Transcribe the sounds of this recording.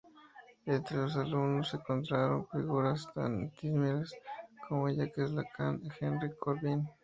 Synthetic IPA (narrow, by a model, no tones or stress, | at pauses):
d̪ent̪ɾelos̬alunoseŋkont̪ɾaɾonfiɣuɾast̪a̰nt̪ismeɾeskʰomoejakeslakʰa̰nexenɾikʰoɾβin